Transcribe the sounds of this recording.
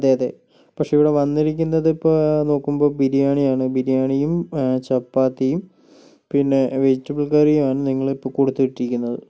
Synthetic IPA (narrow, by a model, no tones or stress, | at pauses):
ɐd̪ːeːɐðḛ | pɐkʂe̞iʋiɽe̞ʋɐnːiɾikʲːunːɐðipːono̞ːkːumbo̞ːbiɾijaːɳijaːɳɨbiɾijaːɳijumt͡ɕɐpːaːt̪ːijum | pinːe̞ʋe̞d͡ʑitːɐbɐɭkɐrijumaːɳɨniŋːɐɭipːoːkoɽut̪ːuʋiʈːiɾikʲːunːɐðɨ